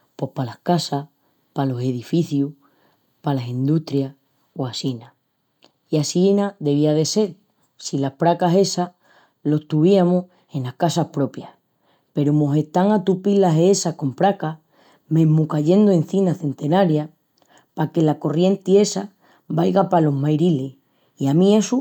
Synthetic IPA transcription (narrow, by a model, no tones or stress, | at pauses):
pwoe̞hpalahkasa | palo̞se̞ðifiθju | palasind̪uht̪ɾja | oasina | iasinaðe̞β̞iað̞e̞se̞ɾ | silapɾakaɦe̞sa | lo̞ht̪uβiamoh | e̞nlahkasahpɾo̞pjah | pe̞ɾomo̞se̞ht̪aŋat̪upilaɦeesako̞mpɾaka | me̞mukaʎe̞nd̪oe̞n̟θinaθe̞nt̪e̞naɾja | pake̞lako̞rje̞nt̪ie̞sa | bajɣapalo̞ɦmajɾile̞ | iamĩe̞su